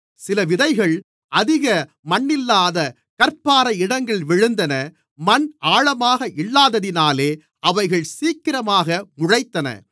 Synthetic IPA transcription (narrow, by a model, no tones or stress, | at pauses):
sɪlɐʋɪðɐɪɣɐɭ | ʔɐðɪɣɐ | mɐnːɪlːaːðɐ | kɐɾpːaːɾɐɪɽɐŋɡɐɭʋɪɻɯnd̪ɐnɐ | mɐnʔaːɻɐmaːɣɐʔɪlːaːðɐðɪnaːleː | ɐʋɐɪɣɐɭsiːkːɪɾɐmaːɣɐmʊɻɐɪt̪ːɐnɐ̰